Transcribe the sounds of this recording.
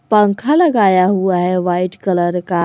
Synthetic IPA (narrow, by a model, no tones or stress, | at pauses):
pãŋkʰalɐɡaːjaɦuaɦeʋaiʈkɐləɾka